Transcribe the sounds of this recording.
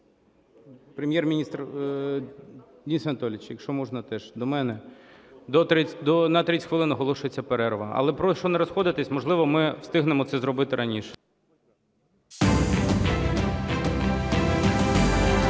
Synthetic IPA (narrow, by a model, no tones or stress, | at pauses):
pɾemʲjɛrmʲnʲist̪r | d̪ʲinʲisʋɐnɐt̪ɔlʲɪt͡ʃjɐkʃt͡ʃɔmɔʒnɐt̪ɛʒd̪ɔmɛnɛ | d̪ɔɾʲd̪ɔnɐt̪ɾʲitʲxʋɪlˠɪnɐɦɔlˠɔʃʊjet͡sʲːɐpeɾɛɾʋɐ̰ɐ̰lˠɛpɾɔʃt͡ʃɔnɛɾɔsxɔd̪ɪt̪ɪsʲmɔʒlˠɪʋɔmɪwst̪ɪɦnemɔtsɛzɾɔbɪt̪ɪɾɐnʲiʃɛ̥